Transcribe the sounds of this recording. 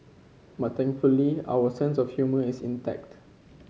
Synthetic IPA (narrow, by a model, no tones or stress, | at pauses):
mat̪ɛ̃ŋkfulia̰wəsɛ̃nsɔfhjuməisḭ̃ntɛ̰k̚t